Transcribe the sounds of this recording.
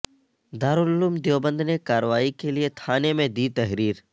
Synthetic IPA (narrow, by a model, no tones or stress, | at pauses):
d̪aːɾʊlʊluːmd̪joːbə̃nd̪ʱnekaːɾʋaːikeliet̪ʰaːnemẽd̪it̪ɐɦɾiːɾ